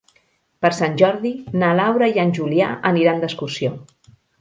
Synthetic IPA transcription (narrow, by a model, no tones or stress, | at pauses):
pəɾsanʲʒɔɾðinalawɾəjanʲʒulia̰ʔəniɾand̪əskursio